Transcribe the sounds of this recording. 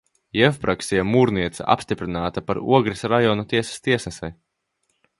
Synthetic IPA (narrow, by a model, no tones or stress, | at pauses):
jɛfpɾʔaksijamuːɾniɛt̪sa̰ʔa̰pst̪ipɾinaːt̪apaɾṵɔɡɾisɾajɔnut̪iɛsḁst̪iɛsnɛsɛj